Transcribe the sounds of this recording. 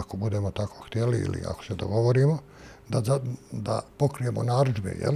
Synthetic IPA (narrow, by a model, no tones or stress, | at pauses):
kobud̪e̞mo̞t̪ako̥ːxt̪jeliḭlḭa̰ko̥sed̪o̞̰ɡo̞ʋoɾiːmo | d̪azad̪a̰po̞kɾije̞mo̰naːɾuʒbḛjḛl